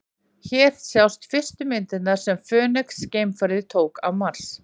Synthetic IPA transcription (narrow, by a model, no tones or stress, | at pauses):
çɛːɾ̥sjawst̪fɪr̥st̪ʏmɪnt̪ɪnaɾ̥sɛmfœːnɛksceːjmfaɾðɪt̪ʰoːwka̰wmaɾ̥s